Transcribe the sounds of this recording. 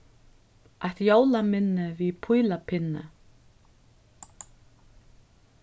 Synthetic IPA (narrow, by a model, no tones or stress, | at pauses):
aht̪joːwlamɪnːɪviðpʰujlapʰɪnːʏ̰